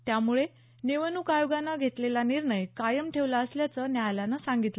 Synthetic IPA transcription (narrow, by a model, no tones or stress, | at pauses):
t̪jamuɭe | neʋənukajoɡanːaɡʱet̪lelaniɾɳəjkajəmʈʰeʋləəsljat͡sənjajlanasaŋɡit̪lə